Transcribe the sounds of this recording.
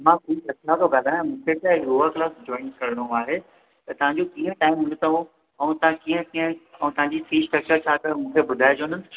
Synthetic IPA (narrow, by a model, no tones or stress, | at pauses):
mãkuiɐklat̪oɡʱɐd̪ʱaːjãmũːkʰet̪aɾoːʋəɾklaːsd͡ʑɔ̃ːɪnkɐɾɪɽ̃oaːɦe | t̪ɐt̪ɐʋ̤ãɲd͡ʑokiːə̃ʈaːɪmɦʊ̃nt̪ʰaũ | ɛ̃ũt̪ɐʋ̤ãkiːə̃kiːə̃ɛ̃ːt̪ɐɦãɲd͡ʑifiːsʈɾɐk̚t͡ɕəɾt͡ɕʰaːkɐmũːkʰebʊd̪ʱaːed͡ʑoːnənɪ